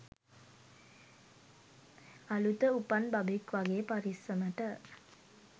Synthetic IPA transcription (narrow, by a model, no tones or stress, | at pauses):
alut̪əupanbabekʋaɡeːpaɾisəməʈə